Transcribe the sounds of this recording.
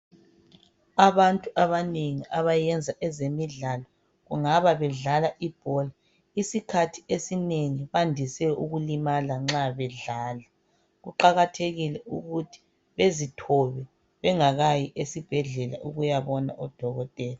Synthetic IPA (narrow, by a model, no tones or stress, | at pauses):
aβantʼuʔaβaneŋiʔaβajɛnd͡zʱaʔɛzemiɮalɔ | ɣuŋaβaβɛɮalaʔib̥ʱɔla | isikʰatʰi̥esineŋiβandʱisɛuɣulimalaŋ͡ǁaβɛɮaːla | ɣuǃaɣatʰeɣilɛuɣutʰi̥ | βezitʰɔβɛ | βɛŋaɣajiʔesib̥ʱɛɮɛla̰ʔuɣujaβɔna̰ʔɔd̥ʱɔɣɔtʼɛːla